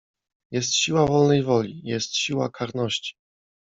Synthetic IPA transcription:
jɛst̪ɕiwavɔlnɛjvɔlʲijɛst̪ɕiwakʰaɾnɔɕt͡ɕi̥

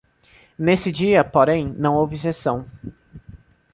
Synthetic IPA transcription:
nesɪd͡ʒiɐpoɾẽj̃nɐ̃w̃owvɪsesɐ̃w̃

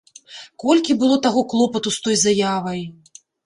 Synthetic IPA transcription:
kɔlʲkʲibɨlˠɔt̪aɣɔklˠɔpɐt̪ust̪ɔjzajavɐj

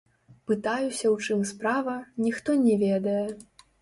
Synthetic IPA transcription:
pɨt̪ajusʲɐwt͡ʂɨmspɾavɐnʲixt̪ɔnʲɛvʲɛd̪ɐjɛ

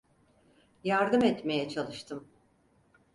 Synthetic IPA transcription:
jaɾd̪ɯmɛt̪me̞jɛt͡ʃʰalˠɯʃt̪ʰɯm

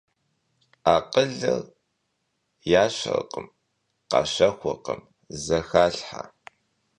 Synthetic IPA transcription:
aːqəɮɨr | jaːɕɐ̰rqʼəm | qɑ̰ːɕɐxʷɔqəm | zɐxaːɬħa̰

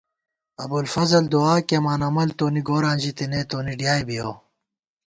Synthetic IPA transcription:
ɐbulfɐzɐld̪uaːkemaːnɐmɐlt̪oːniɡoːɾãːnd͡ʑit̪inet̪oːniɖjaːjbijoː

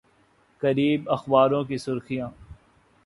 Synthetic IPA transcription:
kɐɾiːbɐxbaːɾõk̬isʊɾxijãː

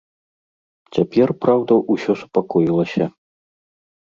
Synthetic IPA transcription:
t͡sʲapʲɛrpɾawd̪ɐʔusʲɔsu̥pakɔjilˠɐsʲɐ

